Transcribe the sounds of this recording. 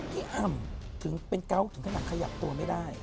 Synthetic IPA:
t̪ʰiː˧˥˩ʔa˧˩mt̪ʰɯ˩˦ŋpe˧nka˦˥wt̪ʰɯ˩˦ŋkʰa˧ja˨˩kʰa˧ja̰˨˩p̚t̪u˧ɐma˥˩jdaː˥˩j

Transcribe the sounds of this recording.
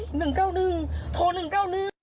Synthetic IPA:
nɨ˨˧˩ŋkaː˧wnɨ˧˩t̪ʰo˧˩nɨ˨˩ŋkaː˧wnɨ˧

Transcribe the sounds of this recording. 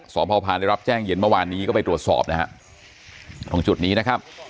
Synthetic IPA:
sɔː˩˦mpʰɔː˧pʰaː˧nda˥˩ɾa˦˥p̚t͡ɕɛː˥˩ŋji˧ənmɯ˥˩waː˧nːiː˦˥kɔː˥˩pa˧jt̪ɾu˨˩ət̪̚sɔ̰ː˨˩p̚na˦˥ha̰˦˥ʔ | t̪ʰɔ˩˦ŋt͡ɕu˨˩t̪̚niː˦˥na˦˥kʰa˦˥p̚

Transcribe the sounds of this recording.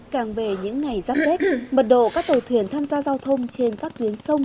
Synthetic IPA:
kaː˨˩ŋve˨˩ɲɨ̰˧˥ŋːa˨˩jzaː˦˥p̚ke˦˥k̚mə˨˩t̚ɗo̰˧˨kaː˦˥k̚t̪ə˨˩wt̪ʰwi˨˩ənt̪ʰaː˧mzaː˧zaː˧wt̪ʰə˧wŋ͡mt͡ɕe˧nkaː˦˥k̚t̪wi˨˦ənsə˧wŋ͡m

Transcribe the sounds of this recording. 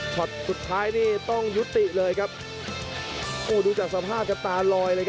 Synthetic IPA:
t͡ɕʰɔ˨˩t̪̚su˨˩t̪ʰːaː˦˥jniː˥˩t̪ɔ˥˩ŋju˦˥t̪ːi˨˩ʔlɤː˧jkʰa˦˥p̚ | ʔoː˧˩duː˧t͡ɕaː˨˩k̚sa˧pʰaː˥˩p̚ka˧nt̪aː˧lɔː˧jlɤː˧jk

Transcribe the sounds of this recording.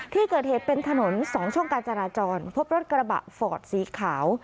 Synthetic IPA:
t̪ʰiː˥˩kɤː˨˩t̪̚heː˨˩t̪̚pe˧nt̪ʰa˧no˩˦nsɔː˨˩˦ŋt͡ɕʰu˥˩ŋkaː˧nt͡ɕa˧ɾaː˧t͡ɕɔː˧npʰo˦˥p̚ɾo˦˥t̪̚kɾa˧ba̰˨˩ʔfɔː˨˩t̪̚siː˩˦kʰaː˩˦w

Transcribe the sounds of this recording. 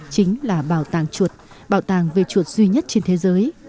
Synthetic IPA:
t͡ɕï˨˦ŋ̟laː˨˩ɓaː˧˩wt̪aː˧˩ŋt͡ɕu˨˩ət̚ | ɓaː˧˩wt̪aː˧˩ŋve˨˩t͡ɕu˨˩ət̚zwi˧ɲə˦˥t̚t͡ɕe˧nt̪ʰe˨˦zəː˨˦j

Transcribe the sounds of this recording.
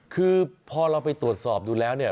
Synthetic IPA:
kʰɯː˧pʰɔː˧ɾa˧wpa˧jt̪ɾu˨˩ət̪̚sɔː˨˩p̚duː˧lɛː˦˥wni˥˩ɐ

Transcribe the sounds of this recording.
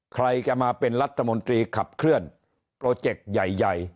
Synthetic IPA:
kʰɾa˧jt͡ɕa˨˩maː˧pe˧nɾa˦˥t̪ʰːa˧mo˧nt̪ɾiː˧kʰa˨˩p̚kʰɾɯ˥˩ən | pɾoː˧t͡ɕe˨˩k̚ja˨˩jːa˨˩j

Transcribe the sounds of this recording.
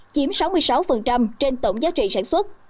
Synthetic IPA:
t͡ɕi˨˦əmsa˨˦wmɨ˧əjsa˨˦wfə˨˩nt͡ɕa˧mt͡ɕe˧nt̪o̰˧˨ŋ͡mzaː˨˦˥t̚t͡ɕḭ˧˨saː˧˩nswə˦˥t̚

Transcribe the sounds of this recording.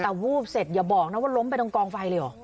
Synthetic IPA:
ɛ˨˩wuː˥˩p̚se˨˩t̪̚jaː˨˩bɔː˨˩k̚na˦˥waː˥˩lo˦˥mpa˧jt̪ɔ˧ŋkɔː˧ŋfa˧jləː˧˩ʔɔ̰ː˨˩

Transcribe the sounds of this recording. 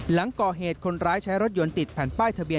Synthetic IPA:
la˩˦ŋkɔː˨˩ɦeː˨˩t̪̚kʰo˧nɾaː˦˥jt͡ɕʰa˦˥jɾo˦˥t̪̚jo˧nt̪i˨˩t̪̚pʰɛː˨˩˦npaː˥˩jt̪ʰa˧bi˧ə

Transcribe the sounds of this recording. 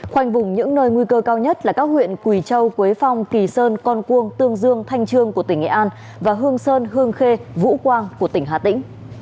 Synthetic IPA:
xwa˧jŋ̟vʊ˨˩ŋ͡mɲɨ̰˧˥ŋnəː˧jŋwi˧kəː˧kaː˧wɲə˦˥t̚laː˨˩kaː˦˥k̚hwḭ˧˨ənkwi˧˩t͡ɕə˧wkwi˨˦jfa˧wŋ͡mki˨˩səː˧nkɔ˧nku˧əŋt̪ɨ˧əŋzɨ˧əŋt̪ʰa˧jŋ̟t͡ɕɨ˧əŋku˧˩ət̪ï˧˩ŋ̟ʔḛ˧˨˩ʔaː˧n | vaː˨˩ɦɨ˧əŋsəː˧nɦɨ˧əŋxe˧vṵ˧˥kwaː˧nku˧˩ət̪ï˧˩ŋ̟ɦaː˨˩t̪ḭ̈˧˥ŋ̟

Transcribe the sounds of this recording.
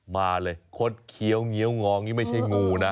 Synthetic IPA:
maː˧lɤː˧jkʰo˦˥t̪̚kʰi˨˦əwŋi˦əwŋɔː˨˧ŋniː˥˩ma˥˩jt͡ɕʰa˥˩jŋuː˧na˦˥

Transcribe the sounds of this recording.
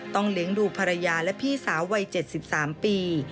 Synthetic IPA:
t̪ɔ˥˩ŋli˨˩˦əŋduː˧pʰaː˧ɾa˧jaː˧lɛ˦˥pʰiː˥˩saː˩˦wːa˧jt͡ɕe˨˩t̪̚si˨˩p̚saː˩˦mpiː˧

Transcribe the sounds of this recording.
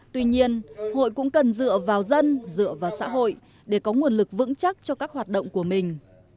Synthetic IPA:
t̪wi˧ɲi˧ənho̰˧˨jkʊ̰˧˥ŋ͡mkə˨˩nzɨ̰˧˨əvaː˨˩wzə˧nzɨ̰˧˨əvaː˨˩wsa̰ː˧˥ɦo̰˧˨j | ɗe˧˩kɔ˨˦ŋu˨˩ənlɨ˨˩k̚vɨ̰˧˥ŋt͡ɕa˦˥t̚t͡ɕɔ˧kaː˦˥k̚hwaː˨˩t̚ɗə̰˧˨wŋ͡mku˧˩əmï˨˩ŋ̟

